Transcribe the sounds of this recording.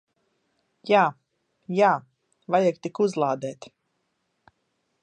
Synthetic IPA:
jaː | jaː | vajakt̪ikuzlˠaːd̪ɛːt̪

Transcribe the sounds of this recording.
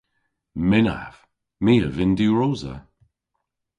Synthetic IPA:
mɪna̰v̥ | miːəvɪnduɹoːzə̰

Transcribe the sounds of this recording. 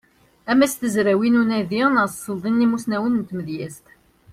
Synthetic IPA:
æmæst̪əzɾæwinunæðiʁnəɾssˤəld̪ˤinːimusnæwənənt̪məðjæst̪

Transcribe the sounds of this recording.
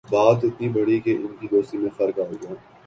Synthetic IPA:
baːt̪ɪt̪nibɐɽikeʔɪnkid̪oːst̪imẽfɐɾkaːoɡãː

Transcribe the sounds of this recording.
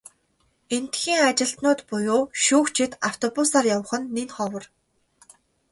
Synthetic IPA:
en̥t̪xiːŋat͡ɕɪ̆ɬt̪nʊːt̪pʊjʊːʃuːkt͡ɕʰɪ̆t̪aw̥t̪ʰɔpʊsaːrjawə̆χə̆nːenχɔwə̆r

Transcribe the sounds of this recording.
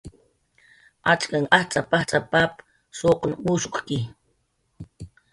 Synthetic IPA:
at͡ʃkaŋat͡sʼapaht͡sʼapap | soqnmuʃo̥χkɪ

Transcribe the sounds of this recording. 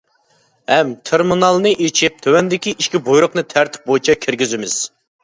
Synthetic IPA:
hɛmt̪ʰeɾmunɑlˠnɨʔit͡ʃʰip̚t̪ʰøwɛnd̪ɪkʲiʔiʃkʲibojɾʊqnɨt̪ʰæɾt̪ʰɪ̥p̚bojit͡ʃʰɛkʲʰɪɾɡʲizɪmɪz̥

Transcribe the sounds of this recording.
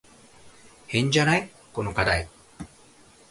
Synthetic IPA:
hẽ̞ɲ̟d͡ʑanai | konokad̪ai

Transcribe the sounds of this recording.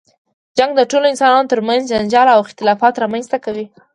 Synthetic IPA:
d͡ʒaŋɡd̪əʈoloɪnsɑnɑnot̪əɾmanzd͡ʒand͡ʒɑlawɪxt̪ɪlɑfɑt̪ɾɑmanzt̪akawi

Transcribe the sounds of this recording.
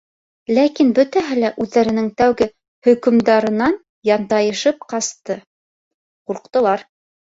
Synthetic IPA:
lækinbɵ̆t̪æɦɘlæʔʉðːæɾɘ̆nɘŋt̪æwɡɘ | hɵ̆kɵ̆md̪ɑɾɤ̆nɑn | jɑnd̪ɑjɤ̆ʃɤp̚qɑst̪ɤ | quɾqt̪ɤ̆lˠɑɾ

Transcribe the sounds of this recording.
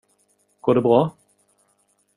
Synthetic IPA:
ɡ̥oːɖɛbɾɑː

